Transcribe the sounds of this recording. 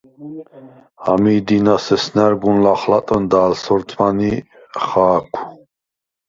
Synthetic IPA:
a̰miːd̪inasɛsnɛɾɡunlaχlat̪ʼənd̪aːlsɔɾt̪ʰmani | χaːkʷʰu

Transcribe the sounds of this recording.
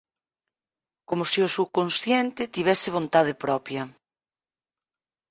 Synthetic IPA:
komosiʊsukonsθjɛnt̪ɪt̪iβ̞ɛsɪβ̞ont̪að̞epɾɔpjɐ

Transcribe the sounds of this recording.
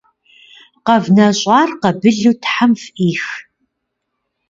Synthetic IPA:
qɐvnɐɕʼɑːrqɐbɨɮuːtħamfiːx

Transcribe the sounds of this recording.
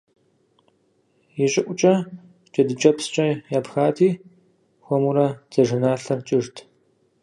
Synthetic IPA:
jɪɕʼɪʔʷʼʊt͡ʃʼɐ | t͡ʃʼɐdɨt͡ʃʼɐpst͡ʃʼɐjaːpxaːtʰiː | xʷɔmuɾɐd͡z̥ɐʒɨnaːɬɐrt͡ʃʼɪʐtʰ

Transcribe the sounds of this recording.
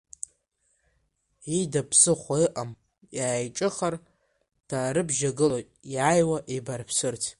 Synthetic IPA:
idapʰsɨχʷaɨʔam | jaajʈ͡ʂʼɨχar | d̥ʰaːɾɨbʒaɡɨlo | jajwaʔebarpʰsɨrtʲʰ

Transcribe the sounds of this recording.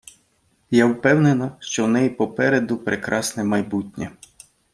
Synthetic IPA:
jawpɛwnenɐʃt͡ʃɔwnɛjpɔpɛɾed̪ʊpɾʔekɾʔɑsnɛmɐjbutʲnʲɛ

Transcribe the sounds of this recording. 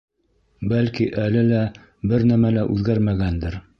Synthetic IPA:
bælkiʔælɘlæ | bɘɾnæmælæʔʉðɡæɾmæɡænd̪ɘɾ

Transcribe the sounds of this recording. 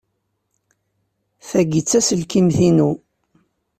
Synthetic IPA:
θæɡit͡sːæsəlkimθinu

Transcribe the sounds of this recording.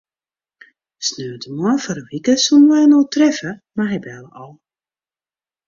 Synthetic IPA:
snøːdəmɔnfɔɾəʋikəsunʋɛjnoːtrɛfəmaɦɛbɛlˠəʔɔlˠ

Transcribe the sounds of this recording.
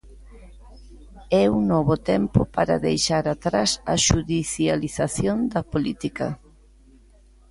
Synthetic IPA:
ɛuŋnɔβʊt̪ɛmpʊpaɾɐ̰ðejʃaɾat̪ɾasɐ̰ʃuðiθjaliθaθjond̪ɐpolit̪ikɐ̰

